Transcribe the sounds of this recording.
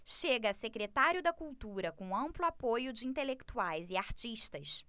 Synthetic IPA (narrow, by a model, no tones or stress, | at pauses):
ʃeɡɐsekɾet̪aɾʲjʊd̪ɐkuwt̪uɾɐkõɐ̃mplʊapojʊd͡ʒɪĩnt̪elekt̪uajzɪaɾt͡ʃiʃt̪ɐs